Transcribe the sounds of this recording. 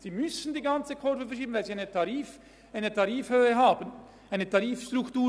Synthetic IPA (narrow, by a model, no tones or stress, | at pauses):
z̥iːmʏsndiːɡant͡səkʰɔɾvəfɛɐʃiːbən̩vaɪlziaɪnətɑʁiːf | ʔaɪnətʰɑɾiːfhøːəɦaːbən | ʔaɪnətʰɑʁiːfʃtʁʊktuː